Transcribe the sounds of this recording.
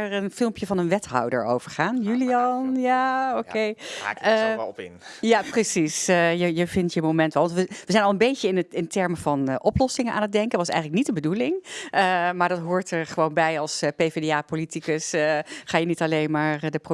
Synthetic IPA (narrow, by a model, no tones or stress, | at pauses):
ɹənfɪlˠmpjəvɑnənʋɛtɦɑ̰wdə̰ɹo̰wv̥əɹχaːnjyliɑnjaokej̰ | ɪ̰njaprəsisjəjəvɪntjəmowmɛntʋɛlˠʋɑntʋəʋəzɛjnɑlˠənbejcəɪnɪntɛɹməvɑnʔɔplɔsɪŋənʔaːnət̚dɛŋkəʋɑsɛ̰jχənlək̚nitdəmbədulɪŋəmaːɹdɑtɦʊːɹtəɹχəʋownbɛjɑlˠspejvedeaːpolitikəsχaːjənitɑlejnmaːɹɹdəpro